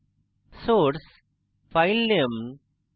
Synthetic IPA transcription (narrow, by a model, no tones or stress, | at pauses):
soːɾs | faɪlːim